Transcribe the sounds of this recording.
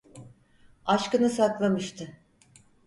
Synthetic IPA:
aʃkɯnɯsaklˠamɯʃt̪ʰɯ

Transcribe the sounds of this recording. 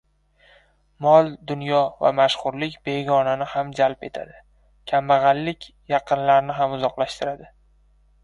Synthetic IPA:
mɒlˠd̪ʊnjɒva̰maʃχʊɾlɪkʲbe̞ɡɒnanɪhamd͡ʒalpe̞̰t̪ʰa̰d̪ɪ | kʲʰamːaʁɑlːɪkʲ | jɑqʰɨnlaɾnɪɦamʊzɒqlˠaʃt̪ɪɾad̪ɪ

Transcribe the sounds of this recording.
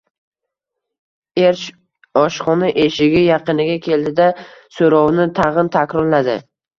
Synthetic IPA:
eɾʃ | ɒʃχɒnaʔeʃɪɡʲɪjɑqɨnɪɡʲakʲʰe̞ld̪ɪd̪asoɾɒwnɪt̪ʰaʁɨnt̪ʰakʲɾɒɾlad̪ɪ̰

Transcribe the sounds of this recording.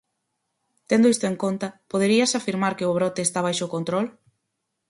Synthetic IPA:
t̪end̪ʊist̪ʊeŋkont̪ɐpoðeɾiɐsafiɾmaɾkɪʊβ̞ɾɔt̪eːst̪aβ̞ajʃokont̪ɾɔl

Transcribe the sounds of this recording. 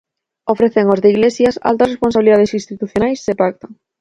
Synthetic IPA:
ofɾeθeŋozðeiɣlesjɐsa̰lt̪ɐsrespons̬aβliðaðesinst̪it̪uθjonajsːepak̚t̪o

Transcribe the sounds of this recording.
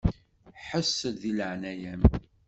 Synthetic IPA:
ħəsːəðiləʕnæjæm

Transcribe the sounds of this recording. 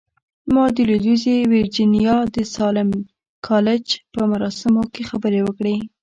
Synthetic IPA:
mɑd̪əled̪uzewɪɾd͡ʒinijɑd̪əsɑlɪm | kʰɑlɪd͡ʒpəmaɾɑsɪmokexabəɾewəkɽe

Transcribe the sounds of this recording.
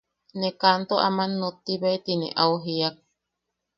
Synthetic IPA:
nekant̪oa̰manːot̪ːiβeet̪inḛʔawɦiak̚

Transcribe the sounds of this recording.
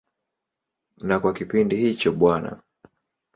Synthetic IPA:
nakwakipindihit͡ʃɔɓwana̰

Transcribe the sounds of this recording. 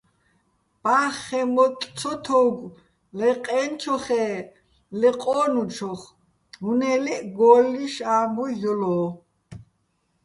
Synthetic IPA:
b̥aχːɛmɔt̪ʼt͡sʰɔt̪ʰɔɡʷ | lɛqʼɛnt͡ʃʰɔχɛː | lɛqʼɔːnut͡ʃʰɔχ | ɦunɛlɛʔɡɔlːiʃaːmbɔjɔlɔː

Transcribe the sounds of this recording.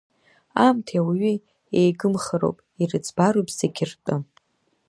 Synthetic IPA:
amtʰiawiɥi | ejɡɨmχəɾo̰wpʼirɨt͡sʰʼbaɾopʼzeɡʲʰɪrtʼɨ

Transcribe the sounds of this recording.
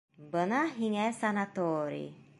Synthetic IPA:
bənaɦiŋɛsanat̪ɔːɾḭ

